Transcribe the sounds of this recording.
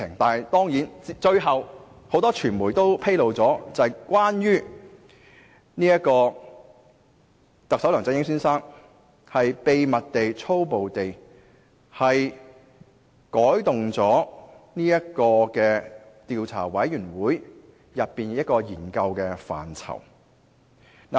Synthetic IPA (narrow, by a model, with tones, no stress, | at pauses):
ɪ˨˩ŋt̪aː˨n˨˩jt̪ɔː˥ŋjiː˨˥nt͡si˨t͡ʃɵ˧ɥɦɐ˨w | ho˨˥wt̪ɔː˥t͡ʃʰyː˨˩nmuː˨˩jt̪o˥wpʰe˥jlo˨wt͡sɔː˨˥t͡sɐ˨jkʷaː˥njyː˥ | niː˥jɐ˥t̚kɔː˧ | t̪ɐ˨k̚sɐ˨˥wlœː˨˩ŋt͡sɐ˧˥jɪ˥ŋsyː˥nsaː˥ŋ | hɐ˨jpe˨˧jmɐ˨t̚t̪e˨jt͡sʰo˥wpo˨wt̪e˨j | hɐ˨j | kɔː˨˥jt̪ʊ˨ŋt͡sɔː˨˥ | niː˥jɐ˥kɔː˧kɛː˧t̪iː˨˧wt͡sʰa̰ː˨˩wɐ˨˥jjyː˨˩nwuː˨˥j | jɐ˨pːiː˨n˧jɐ˥t̚kɔː˧jiː˨˩nkɐ˧wkɛː˧fa̰ː˨˩nt͡sʰɐ̰˨˩w | na˨